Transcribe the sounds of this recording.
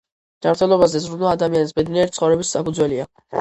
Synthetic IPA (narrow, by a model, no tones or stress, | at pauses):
d͡ʒanɾt̪ʰɛlˠɔbazɛzɾunɛad̪amianisbɛd̪niɛɾit̪sχɔvɾɛbissapʰud̪zwɛlia